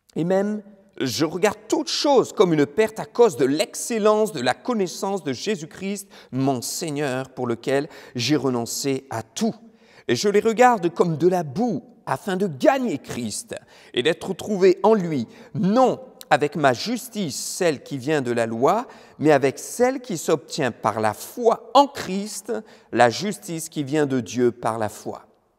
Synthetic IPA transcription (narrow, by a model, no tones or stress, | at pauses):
emɛm | ʒəʁəɡaʁd̪̚t̪ut̪ʃozkɔmynpɛʁt̪akozd̪əlɛkselɑ̃sd̪əlakɔnɛsɑ̃sd̪əʒezykχist̪mɔ̃sɛɲœʁpuʁləkʲɛlʒeʁənɔ̃seat̪u | eʒəleʁəɡaʁd̪kɔmd̪əlabu | afɛ̃d̪əɡaɲekχist̪ | ḛd̪ɛt̪χət̪χuveʔɑ̃lɥinɔ̃avɛkmaʒyst̪isːɛlkʲivjɛ̃d̪əlalwa | mɛavɛksɛlkʲisɔp̚t̪jɛ̃pa̰ʁla̰fwaɑ̃kχist̪laʒyst̪iskʲivjɛ̃d̪əd̪jøpa̰ʁla̰fwa̰